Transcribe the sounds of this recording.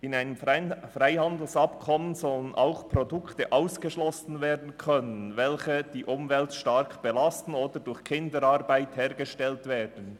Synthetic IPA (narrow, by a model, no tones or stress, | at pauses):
ɪnaɪnəmfraɪhandl̩sɑpkʰɔmənzɔlənʔa̰ʊxpʁɔdʊktəʔaʊsɡ̥əʃlɔsn̩veːɐdn̩kʰœnənvɛlçəd̥iːʔʊmvɛltʃtaɾkb̥ɛlastn̩oːdədʊçkʰɪndəɾɑʁbaɪthɛːʁɡəʃtɛltveːd̥ən̩